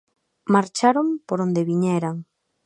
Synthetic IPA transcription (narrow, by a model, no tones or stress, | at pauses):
maɾt͡ʃaɾompoɾond̪eβiɲɛɾaŋ